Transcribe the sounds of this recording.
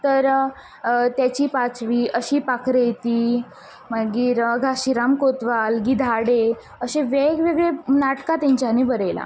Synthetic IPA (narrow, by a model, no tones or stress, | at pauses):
t̪əɾ | t̪jat͡ɕiːpat͡sʋiːʔəɕiːpakʰɾejt̪iː | məɡiːɾɡʱaɕiɾamkot̪ʋalɡid̪ʱaɽe | əɕẽʋeɡʋeɡɭenaʈkat̪ãɲt͡ɕaniːbəɾejla̰